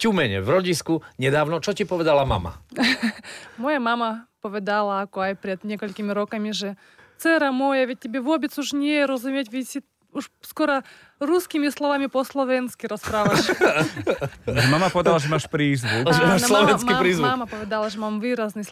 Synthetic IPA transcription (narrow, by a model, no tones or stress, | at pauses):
cumɛɲɛ̰vɾɔɟiskuɲɛd̪aːʊnɔt͡ʃɔcipɔʋɛd̪alama̰ma̰ | mojamamɐpɔʋʲɛd̪alˠɐakɔajpɾʲɛd̪ɲʲɛkɔlʲkʲimʲiɾɔkɐmʲiʐɛ | t̪sɛɾɐmojɐʋʲɪt̚ʲːɛbʲɛʋɔbʲɛt͡s̪uʂnʲɛjɛɾɐzumʲɛtʲʋʲɪsʲi | uʂskoɾɐ | ɾuskʲimʲislˠɔʋamʲipɔslˠɔʋʲɛnskʲiɾɐspɾaʋaʃ | ʒɛmamapɔʋɛd̪alˠaʒɛmaːʃpɾiːzʋuʒɛmaːʃslˠɔʋɛnkiapɾiːzʋmuamɐpɔʋʲɛd̪alˠɐʐɛmamvɨɾaznɨ